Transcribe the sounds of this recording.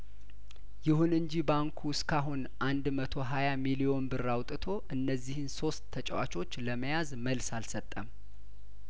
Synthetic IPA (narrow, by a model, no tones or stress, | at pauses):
jɪhunɨɲd͡ʒibaŋkʰuskʰaɦunʔand̪mət̪ʰo̞ɦajamilio̞nbɨrawt̪ʼɨt̪ʰo̞ʔɨnːəzːihɨnso̞st̪ʰːət͡ʃʼɛwa̰t͡ʃo̞t͡ʃːləməjazməlsalsət̪ʼːəm